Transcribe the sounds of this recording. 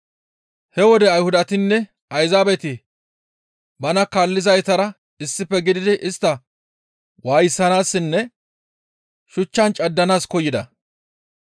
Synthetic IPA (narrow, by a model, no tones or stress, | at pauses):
hɛwɔd̪ɛɐjhʊd̪ɐt̪ɪnːɛ | ɐjzaːbɛt̪ɪ | bɐnɐkaːlːɪzɐjt̪ɐɾɐ | ɪsːɪpːɛɡɪd̪ɪd̪ɪʔɪst̪ːɐ | waːjɪsːɐnaːsːɪnːɛ | ʃʊt͡ʃːɐnt͡ʃʼɐd̪ːɐnaːskɔjɪd̪ɐ